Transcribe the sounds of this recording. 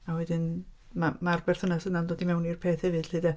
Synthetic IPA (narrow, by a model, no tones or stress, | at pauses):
awɛdɨn | mamarbɛrθhʊnasənandoːdimɛwnirpʰeːθhɛvɨd̥lɨdɛ